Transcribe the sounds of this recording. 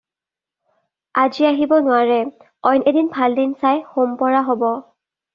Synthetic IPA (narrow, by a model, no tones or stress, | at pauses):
aziaɦibɔnʊwaɹɛ | ɔjnedinbʱaldinsajxompɔɹaɦobɔ